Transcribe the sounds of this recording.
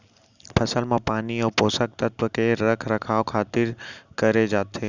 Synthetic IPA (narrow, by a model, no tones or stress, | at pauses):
pʰəsəlmãpaːniopoːsək̚t̪ət̪ʋəkeɾəkʰɾəkʰaːʋkʰaːt̪ɪɾkəɾed͡ʒaːt̪ʰeː